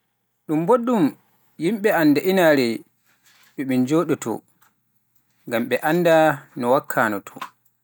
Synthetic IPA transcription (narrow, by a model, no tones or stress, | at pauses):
ɗumboɗːum | jimɓɛanːdaʔinaɾɛ | ɓɛmind͡ʒoːɗɔtɔ̰ | ŋɡamɓɛʔanːdanɔwakʰːaːnɔtʰɔ̥̰